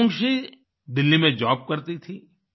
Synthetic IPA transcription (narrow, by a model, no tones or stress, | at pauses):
ʊŋʃi | d̪ɪlːimẽd͡ʒɔːb̚kɐɾt̪it̪ʰiː